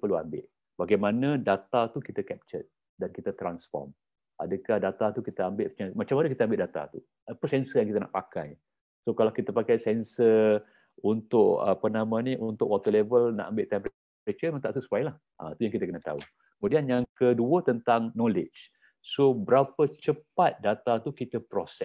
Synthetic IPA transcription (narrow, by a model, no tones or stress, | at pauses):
pərluambɪ̰ʔ | baɡajmanãdat̪at̪ukit̪akɛp̚t͡ʃə̰t̪̚ | dankit̪ət̪ɾansfɔ̰rm | ʔa̰dəkahdat̪at̪ukit̪əambɪʔət͡ʃamat͡ʃamanəkit̪əambɪʔdat̪a̰t̪u | əpəsɛnsəjaŋkit̪əna̰ʔpaka̰j | sokalawkit̪əpakajsɛnsə | unt̪ʊʔə̰pənamãnĩʔunt̪ʊʔwɔt̪əlɛvəlna̰ʔambɪʔt̪ɛmpɾe | pɾet͡ʃəməŋt̪aʔsusuajlah | ʔa̰it̪ujãŋkit̪əkənət̪a̰u | kəmudianjaŋkəduət̪ənt̪aŋnɔlɪt͡ʃ | sobəɾapət͡ʃəpat̪̚dat̪at̪ukit̪əpɾosɛ